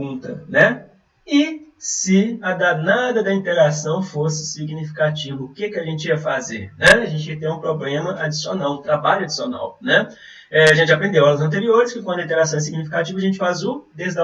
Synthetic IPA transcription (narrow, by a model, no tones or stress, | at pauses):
ũnt̪ɐnɛ | ɪsɪɐd̪anad̪ɐd̪ɐĩt̪eɾasɐ̃w̃fosɪ̥siɡnifi̥kat͡ʃivɐkɪkɪaʒẽnt͡ʃɪiɐfazeɾnɛaʒẽt͡ʃɪiɐkt̪ẽũpɾoblẽmɐʔad͡ʒisionawɪt̪ɾabaʎʊad͡ʒisiona̰wnɛ | ɛaʒẽnt͡ʃɪapɾẽnd̪ewalɐzɐ̃nt̪eɾioɾɪskɪkwɐ̃d̪ɐĩt̪eɾasɐ̃w̃ɛsiɡnifi̥kat͡ʃivɐaʒẽnt͡ʃɪ̥fazʊd̪ezd̪ɐ